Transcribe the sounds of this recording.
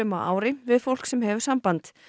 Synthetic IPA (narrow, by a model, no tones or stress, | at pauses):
œmaʔa̰ːwɾɪvɪðfowl̥ksɛmhɛvʏ̥sampant̪